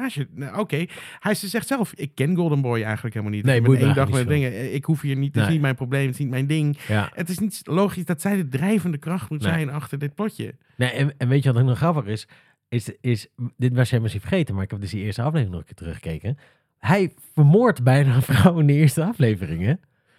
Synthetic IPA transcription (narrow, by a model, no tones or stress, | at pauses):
aːʃəʔokejhɛjɪsdɪsɛχtsɛlˠfɪkːɛnɡʊlˠdənbɔjɛjχənləkɦelˠmalˠnitemːndɑxmɛdɪŋəɪkɦufiːɹnittɪsnit̚mɛjnproblejmətɪ̥snitmɛjndɪŋjətɪsnitloːχisdɑtsɛjdədrɛjvəndəkrɑχtmutsɛjnɑχtəɹdɪt̚plɔtjə̰ | nejɛnɛnʋejtjəʋɔtonɔχrɑpəχɪs | ɪsɪsdɪtʋasheməsifəɹχejtənmaɹɪkɛb̚dəsdiɪːɹstəɑflejvrɪŋnɔ̰χəkɪːtərəχə̥kejkə | hɛj | fəɹmoːɹtbɛjnaːəfrawɪndəɪɹstəɑflejvərɪŋɛ